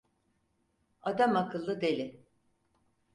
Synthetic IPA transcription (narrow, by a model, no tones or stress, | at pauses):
ad̪amakɯlˠːɯd̪e̞lʲɪ